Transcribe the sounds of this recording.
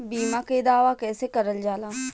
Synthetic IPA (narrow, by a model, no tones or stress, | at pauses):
biːmãked̪aːʋakɛːsekɐɾəld͡ʒaːlãː